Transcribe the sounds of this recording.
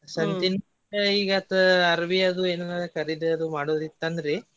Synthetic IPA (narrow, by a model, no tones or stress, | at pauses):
sɐnt̪in | ɐiːɡɐt̪ɐɐɾɐʋiɐd̪ueːnɐnaːɐkɐɾiɖɐd̪umaːɽoːɾit̪ːɐnd̪ɾe